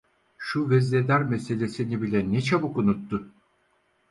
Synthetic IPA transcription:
ʃuvɛzled̪æɾmɛse̞lʲe̞sinibilʲɛnɛt͡ʃʰabɯkunut̪ːʊ

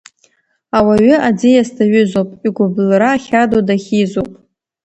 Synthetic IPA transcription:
awaɥʏʔad͡zijastʰaɥʏzowpʼiɡʷʊblraːχʲadodaχʲizopʼ

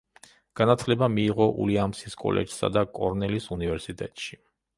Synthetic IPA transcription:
ɡ̥anat̪ʰlɛbamiːʁɔʔṵliamsiskʼɔ̰lʔɛ̰d͡ʒsa̰d̪akʼɔɾnɛlisunivɛɾsit̪ʼɛt̪ʼʃi

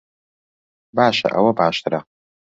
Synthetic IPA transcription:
baːʃɐ̰ʔɐ̰wɐbaːʃt̪ʰɨɾɐ

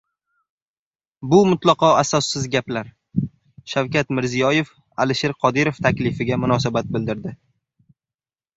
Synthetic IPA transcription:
bʊmʊt̪lˠɑqɒasɒsːɪzɡʲaplaɾ | ʃawkʲat̪mɪɾzijɒjef | a̰lɪʃeɾqʰɒd̪ɪɾoft̪ʰakʲlɪfɪɡʲamʊnɒsabat̪̚bɪld̪ɪɾd̪ɪ

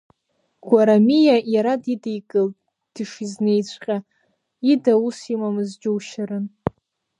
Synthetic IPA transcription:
ɡ̥ʷaɾamijajaɾadidejkʼɨltʼ | d̥ɨʂiznejt͡ɕʷʰqʲʼa | idausimamɨzd͡ʒɪwʃaɾɨn

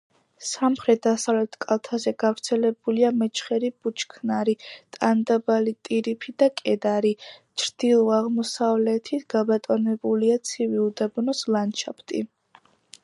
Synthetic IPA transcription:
samχɾɛt̪̚d̪asavlɛt̪ʰkʼalˠt̪ʰazɛɡavɾt̪sʰɛlɛbuliamɛt͡ʃʰχɛɾib̥ut͡ʃʰkʰnaɾit̪ʼand̪abalit̪ʼiɾipʰid̪akʼɛd̪aɾit͡ʃʰɾd̪̥ilˠɔaʁmɔsavlɛt̪ʰit̪ʰɡ̥abat̪ʼɔnɛbuliat̪sʰiviud̪abnɔslant͡ʃʰapʰt̪ʼḭ

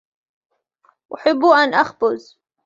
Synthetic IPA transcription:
ʔʊħɪbːuʔanʔaxbʊz

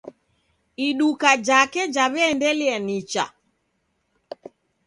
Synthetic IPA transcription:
iɗukad͡ʒakɛd͡ʒaβɛːndɛliɛnit͡ʃa̰

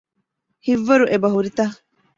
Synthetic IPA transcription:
hiʋːɐɾuʔebɐɦuɾit̪ɐ

